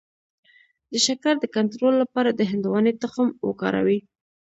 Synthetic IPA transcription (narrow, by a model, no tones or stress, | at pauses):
d̪̥əʃakaɾd̪əkant̪ɾolːapɑɾad̪əɦɪnd̪wɑnet̪ʊxmwə̰kɑ̰ɾa̰wi